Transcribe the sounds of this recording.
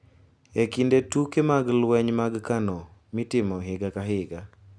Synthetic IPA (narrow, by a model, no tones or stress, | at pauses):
ekindetukemaɡlwɛɲmaɡkanɔmɪtɪmɔɦɪɡakaɦɪɡa